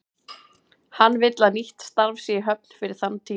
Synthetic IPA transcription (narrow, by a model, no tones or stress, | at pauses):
hanːvɪt̪laðniht̪st̪aɾvsɛɦœpn̥fɪɾɪɾ̥θanːt̪ʰiː